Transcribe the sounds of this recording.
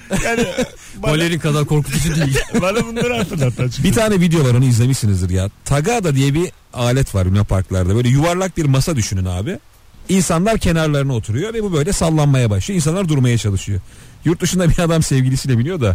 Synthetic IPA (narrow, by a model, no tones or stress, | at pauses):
jaː | bbolʲːeɾinkʰazaɾkʰo̞ɾkʰut̪ʰusud̪ijilʲanb̪unˠaɾat̪ʰɯɾlˠat̪ːat͡ʃbit̪ʰaːnɛvid̪ejo̞vˠaɾo̞nuizlʲemiʃsinɯzd̪ɯɾjaːt̪ʰaɡaːd̪ad̪ijɛbi | aːlʲɛt̪ʰvaɾynapʰaɾklˠaɾd̪abø̞jlʲɛjuvaɾlˠak̚biɾmasad̪yʃynyna̰ːbɪ | insanlˠaɾcʰe̞naɾlʲˠaɾɯnɯo̞t̪ʰuɾujo̞vɛbubø̞jlʲɛsalˠːanmajabaʃlˠɯjoinsanlˠaɾd̪uɾmajat͡ʃʰalˠɯʃɯjo̞ | juɾt̪̚d̪uʃund̪abiad̪amsɛvɟilʲisilʲɛbilʲijo̞d̪a